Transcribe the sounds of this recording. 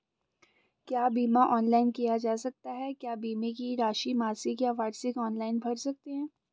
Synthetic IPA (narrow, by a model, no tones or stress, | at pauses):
kjaːbiːmaʔɔːnlaːɪnkijad͡ʒaːsɐk̚t̪aɦɛkjaːbiːmekiɾaːʃimaːsikjaʋaːɾsɪkɔːnlaːɪnbʱɐɾsɐk̚t̪eɦɛ̃ː